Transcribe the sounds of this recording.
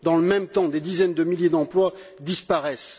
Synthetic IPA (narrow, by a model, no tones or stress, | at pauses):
d̪ɑ̃ləmɛ̃mt̪ɑ̃d̪ed̪izɛnd̪əmiljed̪ɑ̃plwa | d̪ispaʁɛs